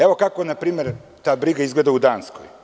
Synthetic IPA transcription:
eʋo̞kako̞napɾiːmeɾt̪aːbɾiɡaizɡled̪aud̪aːnsko̰j

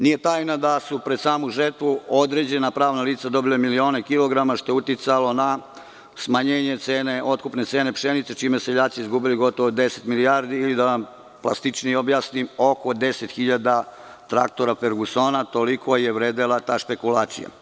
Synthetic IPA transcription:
nije̞t̪aːjnad̪asupɾe̞d̪saːmuʒert̪ʋuo̞d̪ɾe̞d͡ʑe̞napɾaːʋnaliːt̪sad̪o̞bilemilio̞ːne̞kilo̞ɡɾamaʃt̪o̞jeut̪it̪salo̞na | smaɲeːɲe̞t̪seːne̞ʔo̞t̪̚kupne̞t̪se̞ːne̞pʃenit̪set͡ʃiːmeseʎaːt̪sizɡubiliɡo̞t̪o̞ʋod̪e̞set̪milijaɾd̪iːlid̪aʋam | plˠa̰st̪it͡ʃniobjaːsnimo̞ko̞d̪e̞se̞t̪xiʎad̪a | t̪ɾa̰k̚t̪o̞ɾafe̞ɾɡuso̞ːnat̪o̞likʰo̞jeʋɾeːd̪elat̪aːʃpe̞kulaːt̪sḭja̰

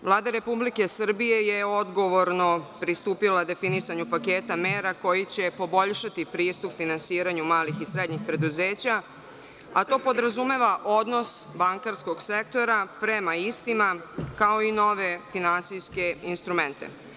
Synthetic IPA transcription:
ʋlˠaːd̪aɾe̞publike̞sr̩bije̞jeo̞d̪ɡo̞ʋo̞ɾno̞pɾist̪uːpilad̪e̞finisaɲupakeːt̪ameːɾako̞jit͡ɕe̞po̞bo̞ʎʃat̪ipɾiːst̪upfinansiːɾaɲumaːlixisɾed̪ɲixpɾe̞d̪uzeːt͡ɕa | a̰t̪o̞ːpo̞d̪ɾazume̞ʋaʔo̞d̪no̞sbaŋkaɾsko̞ɡsek̚t̪o̞ɾapɾemaist̪imakao̞ino̞ʋe̞finansijske̞inst̪ɾument̪ḛ

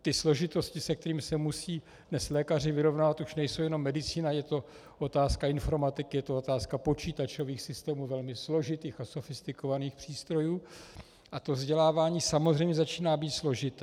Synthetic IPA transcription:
t̪ɪslo̞ʒɪt̪oscɪsɛk̚t̪ɛɾiːmsɛmusiː | dnɛslɛːkar̝ɪvɪɾo̞vnaːvat̪uʃnɛjsowjɛno̞mːɛdɪt͡siːnajɛt̪o̞ | ʔot̪aːskaɪnfo̞ɾmat̪ɪkɪjɛt̪oot̪aːskapo̞t͡ʃiːt̪at͡ʃo̞viːxsɪst̪ɛːmuːvɛlmɪslo̞ʒɪt̪iːxaso̞fɪst̪ɪkovaniːxpr̥iːst̪ɾo̞juː | ʔat̪o̞vzɟɛlaːvaːɲiːsamozrɛjmɲɛzat͡ʃiːnaːbiːt̪slo̞ʒɪt̪ɛː

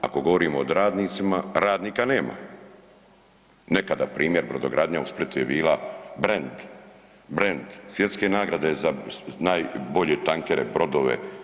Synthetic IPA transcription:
a̰ko̞ɡo̞ʋoɾiːmoːd̪ɾaːd̪niːt̪simaɾaːd̪niːkane̞ːma̰ | nekad̪apɾiːmjeɾbɾod̪oɡɾaːd̪ɲausplit̪ujebiːlabɾend̪ | bɾend̪sʋjet̪ske̞naːɡɾad̪e̞zanaːjbo̞ʎet̪aŋkeɾe̞̰bɾo̞d̪oʋe̞̰

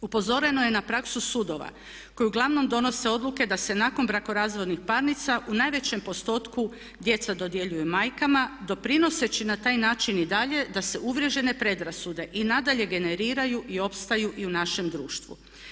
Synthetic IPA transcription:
upo̞zo̞ɾe̞no̞je̞napɾaksusud̪o̞ʋa̰ | ko̞juɡlˠaʋno̞md̪o̞no̞se̞o̞d̪lˠuke̞d̪ase̞naːko̞nbɾako̞ɾaːzʋo̞d̪nixpaɾnit̪saʔunaːjʋe̞t͡ɕe̞mpo̞st̪o̞ːt̪ku | d̪je̞t̪sad̪o̞d̪je̞ʎujumajkamad̪o̞pɾino̞se̞t͡ɕinat̪aːjnaːt͡ʃinid̪aʎe̞d̪ase̞uʋɾjeʒe̞ne̞pɾe̞d̪ɾasud̪e̞ʔinad̪aʎe̞ɡe̞ne̞ɾiːɾajuʔio̞pst̪ajuʔiunaʃe̞md̪ɾuːʃt̪ʋṵ

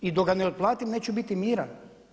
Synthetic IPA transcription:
id̪oɡaneod̪̚plˠaːt̪imneːt͡ɕubit̪imiːɾa

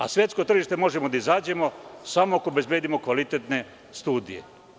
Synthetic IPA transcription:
a̰sʋje̞t̪sko̞t̪r̩ʒiʃt̪e̞mo̞ʒe̞mo̞d̪aizaːd͡ʑe̞mo̞samoakobe̞zbjeːd̪imo̞kʋalit̪et̪ne̞ | st̪uːd̪ijḛ

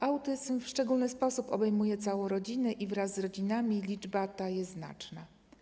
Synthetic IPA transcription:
ʔawt̪ɘzmfʂt͡ʂɛɡulnɘspɔsupɔ̰bɛjmujɛt̪sawɔ̃w̃ɾɔd͡ʑinɛʔivɾazːɾɔd͡ʑinamʲilʲid͡ʐbat̪ajɛzna̰t͡ʂna

